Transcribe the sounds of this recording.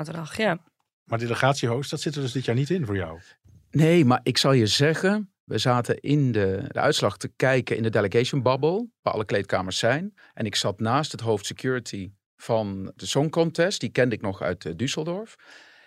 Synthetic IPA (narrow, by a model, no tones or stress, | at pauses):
tədɑχja | maːɹdeləχaːtsiɦowstdɑtsɪtəɹdɵzdɪtjaːɹnitɪnvʊːɹja̰w | nejmaːɹʔɪksɑlˠjəzɛɣən | ʋəzaːtəɪndədə̰ʔœ̰ɥtslɑχtəkɛjkənɪ̰ndədeləɡejʃənbɑbəlˠʋaːʔɑ̰lˠəklejtkaːməɹsːɛjn | ʔɛnɪksɑtnaːstɦətɦowftsəkjuːɹətʰi | v̥ɑnd̥əsɔŋkɔntɛst̚d̥ikɛndɪk̚nɔχœ̰ɥtdysəlˠdɔɹf